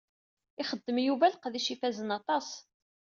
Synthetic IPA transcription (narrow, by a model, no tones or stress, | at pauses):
ɪχəd̪ːəmjuvælqðiʃifæzənɑt̪ˤɑs